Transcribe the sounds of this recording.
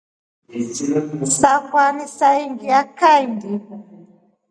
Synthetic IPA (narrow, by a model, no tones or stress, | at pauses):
sakwanisaiŋɡiakajndi